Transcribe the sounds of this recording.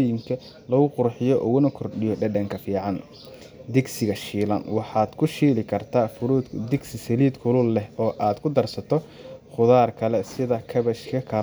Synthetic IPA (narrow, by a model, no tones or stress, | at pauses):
jɪŋkʰɐ | lɐɣʊqʊrħɪjɔʔʊɣʊnɐkʰɔrɖɪjɔɖɛɖɐŋkʰɐfiːʕɑn | d̪ɪɡsɪɣɐʃiːlɐnwɑħɑːd̪̥kʰʊʃiːlɪkʰɐrt̪ʰaːfʊɾuːd̪d̪ɪɡsɪsɐliːd̪kʰʊlʊlːɛhɔːʔaːd̪kʰʊd̪ɐrsɐt̪ʰɔχʊðaːrkʰɐlɛsɪðɐkʰɐβɐʃkʰɐkʰɐ